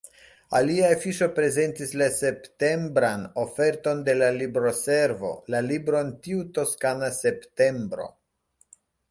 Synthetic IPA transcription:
aliaefiʃo̞pɾe̞ze̞ntislase̞pte̞mbɾano̞fe̞ɾto̞nde̞lalibɾo̞se̞ɾvo̞̰lalibɾo̞entiuto̞skanase̞pte̞mbɾo̞̰

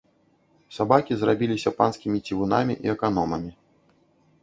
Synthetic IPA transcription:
sabakʲizrabʲilʲisʲɐpanskʲimʲit͡sʲivunamʲḭʔḭɛkanɔmɐmʲi

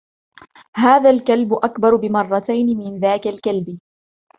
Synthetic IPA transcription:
haːðalkalbʊʔakbɑɾˤbɪmɑrˤːɑt̪ajnɪmɪnðaːkalkalbɪ

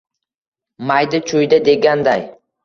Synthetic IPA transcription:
majd̪ɪt͡ʃʰʊjd̪ad̪e̞ɡʲand̪aj

